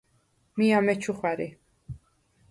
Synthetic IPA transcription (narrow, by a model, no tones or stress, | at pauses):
miamɛt͡ʃʰuχwɛɾi